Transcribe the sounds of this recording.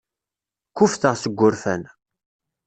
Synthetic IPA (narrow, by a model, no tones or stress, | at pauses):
kːufθəʁsəɡʷːʊɾfæn